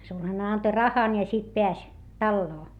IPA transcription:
sulhɑne ɑnto rɑhɑn jɑ sit peæs tɑlːoː

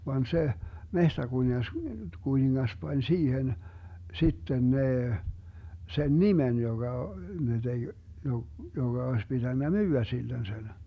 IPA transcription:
ʋɑn se mehtækuniŋɑs kuniŋːɑs pɑnʲ siːhen sitːen neː sen nimen joɡ̊ɑ ne deɡ̊ jo joŋɡ̊ɑ oes pitænːæ myːæ silːen sen

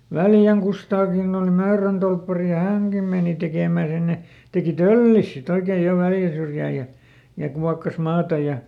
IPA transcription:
ʋæljæŋ kustɑːkin ol møːrøn tolpːɑri jɑ hæŋkim meˑni tekeˑmæˑ sinːe tekiˑ tølːis sit oikeːj̆ jo ʋæljæ syrjæː jɑ jɑ kuɑkːɑs mɑːtɑ jɑ

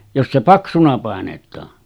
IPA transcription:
jos se pɑksunɑ pɑˑenetˑɑː

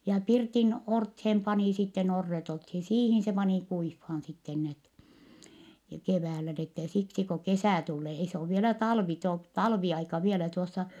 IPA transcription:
jɑ pirtin orthem pɑniˑ sitːen orːet olthin siːhin se pɑniˑ kuifːɑːn sitːen net keʋæːlæ n etːe siksi ko kesæˑ tulːeː ei se oʋ ʋielæ tɑlʋi to tɑlʋiɑikɑ ʋielæ tuosːɑ

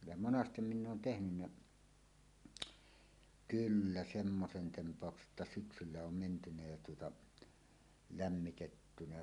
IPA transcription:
jɑ monɑstem minː oːn tehnynːæ kylːæ semːosen tempˑɑˑokse ʔətːæ syksylːæ om mentynæ jæ tuotɑ læmːitetːynæ

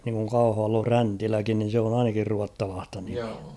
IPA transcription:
niŋkuŋ kɑuhɑʋɑlː on̞ʲ fræntilækin nin̞ se on ɑinɑkir ruɑtːɑlɑːstɑ nim̥i̥æ̥

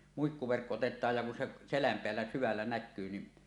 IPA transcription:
muikːuʋerkːo otetˑɑːj jɑ kun se selæm peælːæ syʋælːæ nækːyː ni

